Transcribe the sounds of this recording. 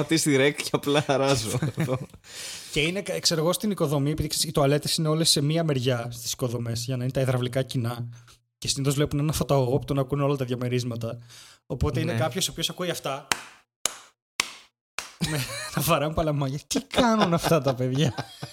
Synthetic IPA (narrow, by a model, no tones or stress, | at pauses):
ɐt̪ist̪iɾekcɐplɐɐɾɐzoðo | ce̞inekɐkse̞ɾɣo̞st̪iniko̞ðo̞mie̞piðiksst̪oɐle̞t̪esineo̞lesːe̞miɐme̞ɾʝɐst̪i̥si̥ko̞ðo̞me̞sʝɐnɐinet̪ɐiðɾɐvlikɐcinɐ | cesiniθo̞zvlepunenɐfot̪ɐoopu̥t̪onɐkuneo̞lɐt̪ɐðʝɐmeɾizmɐt̪ɐo̞po̞t̪e̞inekɐpço̞sopçosɐkuiɐft̪ɐ | met̪ɐfɐɾɐmupɐlɐmɐʝɐt̪ikɐnunɐft̪ɐt̪ɐpe̞ðʝɐ